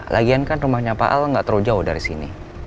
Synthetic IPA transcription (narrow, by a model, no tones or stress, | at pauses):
lʔa̰ɡiankanrumahɲapaʔa̰lŋɡaʔt̪əɾod͡ʒaʊhdaɾisinḭ